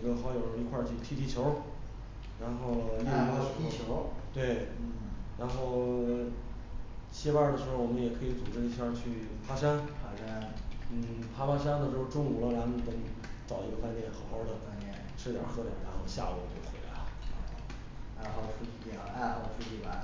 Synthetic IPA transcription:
i˧˥ɡə˧xɑ˧˥ʊjo˨˩ʊ˩˧˥i˧kʰwa˥˧t͡ɕʰy˥˩t̪ʰi˥t̪i˥˩t͡ɕʰjo˧˥ʊ | ɻa˧˥nxo˥˧ʊji˥˧˥a˥˧˨o˧˥t̪we˥˩ɪ˥ | ɻa˧˥nxo˥˩ʊ | t͡ɕʰjɛ˥wa˥˩d̪ə˩ʂɻ̩˧˥xo˥˩ʊwɔ˨˩mə˦njɛ˨˩kʰɤ˧˥i˧˥t͡su˨˩ʈ͡ʂɻ̩˥˧i˥˩a˥˧t͡ɕʰy˥˩ | pʰa˥ʂa˥npʰa˥a˥nn̩˥˩pʰa˥pʰa˥ʂ̬a˥nd̪ə˨˩ʂɻ̩˧˥xo˥˧ʊʈ͡ʂʊ˥ŋu˨˩lə˦˧la˧˥nmu˨˩k̪ə˧˥ni˧˥t͡sɑ˨˩ʊi˧˥ɡə˧fa˥˧nt̪jɛ˥˩nxɑ˨˩ʊxo˧˥d̪ə˨fa˥˧ɛ˥˩ | ʈ͡ʂʰɻ̩˥˧˥t̪jɑ̰˨˩xɤ˥t̪ja̰˨˩ɻa̰˧˥nxo˥˧ʊɕja̰˥˧u˧˥˩t͡ɕjo˥˩xwe˧˥la̰˧˥˦ | a˥˩ɑ˨˧˩ʂu˥t͡ɕʰwɔ˨˩ʂu˥t͡ɕʰi˧˩ba˧˩

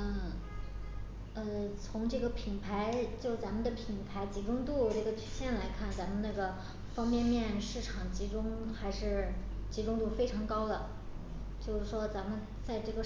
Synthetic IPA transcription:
ə˥˩ | ə˥˧˩t͡sʰʊ˧˥ŋʈ͡ʂɤ˥˩ɡə˩pʰi˨˩ŋpʰa˧˥ɪt͡ɕjo˥˩ʊt͡sa˧˥nmə˧nd̪ə˨pʰi˨˩ŋpʰa˧˥ɪt͡ɕi˧˥ʈ͡ʂʊ˥ŋt̪u˥˧ʈ͡ʂɤ˥˩ɡə˩t͡ɕʰy˨˧˩ɕjɛ˥˩nla˧˥ɪkʰa˥˩nt͡sa˧˥nmə˧na˥˩ɡə˩ | fɑ˥ŋpjɛ˥˧nmjɛ˥˧nʂɻ̩˥˩ʈ͡ʂʰɑ˨˩ŋt͡ɕi˧˥ʈ͡ʂʊ˥ŋxa˧˥ɪʂɻ̩˥˩t͡ɕi˧˥ʈ͡ʂʊ˥ŋt̪u˥˩fe˥ɪʈ͡ʂʰɑ˧˥ŋkɑ˥ʊd̪ə˨ | t͡ɕjo˥˧ʊʂ̩˥˩ʂwɔ˥t͡sa˧˥nmə˧n | t͡sa˥˧ɪʈ͡ʂɤ˥˩ɡə˩

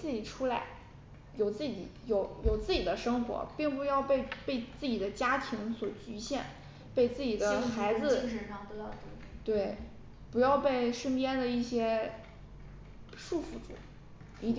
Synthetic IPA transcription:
t͡sɹ̩˥˩t͡ɕi˨˩ʈ͡ʂʰu˥la˧˥ɪ | jo˨˩ʊt͡sɹ̩˥˩t͡ɕḭ˨˩˦jo˨˩ʊjo˨˩ʊt͡sɹ̩˥˩t͡ɕi˨˩d̪ə˦ʂɤ˥ŋxwɔ̰˧˥pi˥˩ŋp̬u˧jɑ˥˧ʊpe˥˧ɪpe˥˧ɪt͡sɹ̩˥˩t͡ɕi˨˩d̪ə˦t͡ɕja˥t̪ʰi˧˥ŋswɔ˨˩t͡ɕy˧˥ɕjɛ˥˩n | pe˥˧ɪt͡sɹ̩˥˩t͡ɕi˨˩d̪ə˦xa˧˥ɪd͡zɹ̩˧˥ʂə˧˩ʂɑ˥˩ŋpu˧˥jɑ˥˧ʊt̪e˥˩t̪we˥˩ɪ | pu˧˥jɑ˥˧ʊpe˥˩ɪʂə˥npjɛ˥nd̪ə˨i˥˩ɕjɛ˥ | ʂu˥˧fu˥˩ʈ͡ʂṵ˨˩˦ | i˧˥t̪i˥

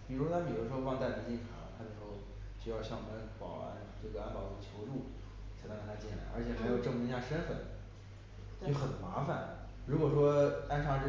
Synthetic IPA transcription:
pi˨˩ɻu˧˥ʂwɔ˥t̪ʰa˥pi˨˩ɻu˧˥ʂɻ̩˧˥xwɑ˥˧ŋt̪a˥˧ɪ˧˥t͡ɕi˥˩nʈ͡ʂʰɑ˧˥˦t̪ʰa˥d̪ə˩ʂɻ̩˧˥xo˧ʊ | t͡ɕjo˥˧jɑ˥˧ʊɕjɑ˥˩ŋwɔ˨˩mə˦npɑ˨˩ʊa̰˥˧nʈ͡ʂɤ˥˩ɡə˩a˥npɑ˨˩ʊə˥˩t͡ɕʰjo˧˥ʊʈ͡ʂu˥˩ | t͡ɕʰa˨˥˩kə˨˩t̪ʰa˥t͡ɕjɛ˥˩la̰˧˥ə̰˞˧˥t͡ɕʰjɛ˨˩xa˧˥ɪjo˨˩ʊʈ͡ʂɤ˥˩ŋ˧i˥ja˥˩ʂə˥nfə̰˨˩˦n˥˧˥ | xə˨˩nma˧˥fa˨˩˦n | ɻu˧˥kwɔ˨˩ʂwɔ˥a˥nʂʰɑ˥ŋʈ͡ʂ̩˥

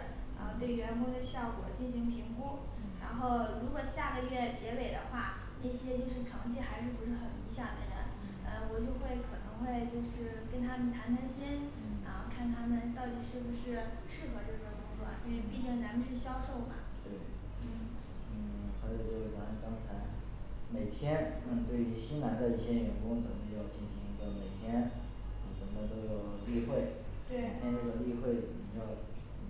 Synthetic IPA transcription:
ə̰˧pe˥˩ɪɥɛ˧˥nkʊ˥d̪ə˧ɕjɑ˥˩ʊkwɔ̰˨˩t͡ɕi˥˩nɕi˧˥ŋpʰi˧˥ŋku˥ | ɻa˧˥nxo˥˩ʊɻu˧˥kwɔ˨˩ɕja˥˩ɡə˩˧ɥɛ˥˩t͡ɕjɛ˧˥we˨˩ɪd̪ə˦xwa˥˩ | na˥˩ɕjɛ˥t͡ɕjo˥˧ʊʂɻ̩˥˩ʈ͡ʂʰɑ˧˥ŋt͡ɕʰi˥xa˧˥ɪʂ̬ɻ̩˥˩pu˧˥ʂɻ̩˥˩xə˨˩ni˧˥ɕjɑ˥˩d̪ə̰˨˩d̪ə̰˦n | ə˧wɔ˨˩t͡ɕjo˥˧ʊxwe˥˩ɪkʰɤ˨˩nɤ̰˧˥ŋxwe˥˧ɪt͡ɕjo˥˧ʊʂɻ̩˥˩ | kə˥nt̪ʰa˥mə˨nt̪ʰa˧˥nt̪ʰa˥nɕi˥n˩ | ə˧kʰa˥˩nt̪ʰa˥mə˨nt̪ɑ˥˩ʊt̪i˨˩ʂɻ̩˥˩bu˩ʂɻ̩˥˧ʂɻ̩˥˩xɤ˧˥ʈ͡ʂɤ˥˩ɕɛ˥˩kʊ˥ŋt͡swɔ̰˥˩˥nwe˥˧˩pi˥˩t͡ɕi˥˩ŋna˧˥mə˧ʂɻ̩˥˧˩ɕjɑ˥ʊʂo˥˩ʊmɐ̰˩t̪we˥˩ɪ | n̩˥˩n̩˥˩xa˧˥ɪt͡ɕo˨˩ʊt͡ɕjo˥˧ʊʂɻ̩˥˩t͡sa˧˥˧kɑ˥ŋt͡sʰa˧˥ɪ | me˨˩ɪt̪ʰjɛ˥nn̩˥˩t̪we˥˩ɪy˧˥ɕi˥nna˧˥nd̪ə˧i˥˩ɕjɛ˥jɥɛ˨˩nkʊ˥ŋt͡sə˨˩ŋp̪̩˥˧˥jɑ˥˧ʊt͡ɕi˥˩nɕi˧˥ŋi˧˥ɡə˧˩me˨˩ɪt̪ʰjɛ˥n˧˩ | t͡sə˨˩nə˧t̪o˥ʊjo˨˩ʊli˥˧xwe˥˩ɪ | t̪we˥˩ɪ˩t̪ʰjɛ˥nt̪o˥ʊjo˨˩li˥˧xwe˥˩ɪt͡sə˨˩mə˧jɑ˥˩ʊ˥˩

